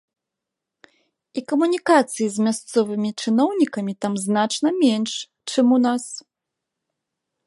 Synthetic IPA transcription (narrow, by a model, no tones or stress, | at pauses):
ikɐmunʲikat̪sɨjizʲmʲast̪sɔvɨmʲit͡ʂɨnɔwnʲikɐmʲit̪amznat͡ʂnɐmʲɛnʂ | t͡ʂɨmunas